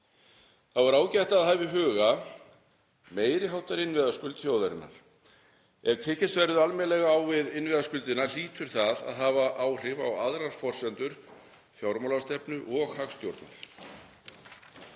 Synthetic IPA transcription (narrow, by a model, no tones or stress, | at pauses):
θavaɾaːwcajht̪aːðɦaːvɪɦœːɣa | meːjɾɪɦawt̪aɾɪnvɪðaskʏlt̪θjoːwðaɾɪnːa̰ɾ̥ | ɛv̥t̪ʰɛːcɪst̪vɛɾðʏalmɛlɛɣaawvɪðɪnvɪðaskʏlt̪ɪnal̥iːt̪ʏɾ̥θaða̰ðɦaːvaʔaːwr̥ɪva̰waðɾaɾ̥fɔr̥sɛnt̪ʏɾ̥ | fjawɾmowlast̪ɛpnʏʔɔɣhaxst̪jowɾt̪na̰ɾ̥